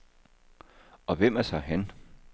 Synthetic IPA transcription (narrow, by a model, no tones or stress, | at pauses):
ɒ̽ʋem̰æsɑ̈ɪɦæn